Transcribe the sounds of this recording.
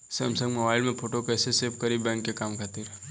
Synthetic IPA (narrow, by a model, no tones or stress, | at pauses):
sɐmsə̃ŋɡmobaːɪlmẽpʰoːʈokɛːseseːpkɐɾibɛ̃ːŋkːekaːmkʰɐt̪iːɾ